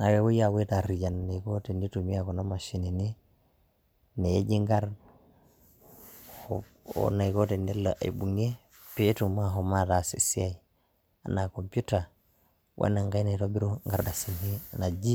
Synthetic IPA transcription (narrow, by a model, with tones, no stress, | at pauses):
na˨we˨wu˦ja˨we˦ta˨ɾi˨ɟa˨nna˨iko˦te˨ndi˦tu˨mi˦ako˨na˦ma˨ʃi˨ni˨ni˦ | ne˨je˦ɟi˦ŋɡa˦ɾ | o̰na˨iko˦te˨ndi˦laʔa̰˨i˨bu˨ŋe˦ | pe˦tu˨ma˦ɦo˨ma˦ta˨sḭ˨si˦ai | a̰˨na˨kompjuta | wʔa̰˦na˨ŋɡa˦ina˨i˨to˦bi˦ɾo˦ŋɡaɾda˨si˨ni˦na˨d͡ʒi˦